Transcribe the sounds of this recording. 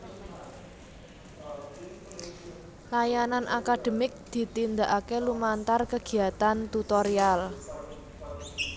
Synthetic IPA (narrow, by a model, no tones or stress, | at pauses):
lajananʔakad̪̥ə̤mɪk̚d̪̥i̤t̪ind̪aʔakelumant̪arkəɡ̥i̤at̪ant̪ut̪ɔɾial